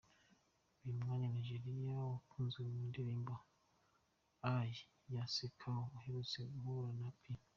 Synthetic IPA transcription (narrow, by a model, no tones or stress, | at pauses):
βimŋaɲanaʒeɾiijawakʰuːnzeumindiɾimba | aji | jasekʰaoheɾut͡seuβoɾanapʰi